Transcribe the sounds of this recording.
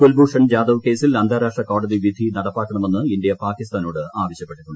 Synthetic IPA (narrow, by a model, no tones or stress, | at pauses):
kolbuːʂɐɳd͡ʑaːd̪ɐʋke̞ːsilɐnd̪ʱaːɾaːʂʈrɐko̞ːɽɐðiʋid̪ʱinɐɽɐpːaːkːɐɳɐme̞nːɨindijɐpaːkːist̪aːno̞ːɽɨaːʋɐɕjɐpːe̞ʈːiʈːuɳɖɨ